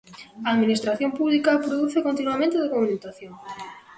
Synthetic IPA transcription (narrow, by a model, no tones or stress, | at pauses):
ɐːðminist̪ɾaθjompuβlikapɾoðuθekont̪inwamẽnt̪eðokumunit̪aθjoŋ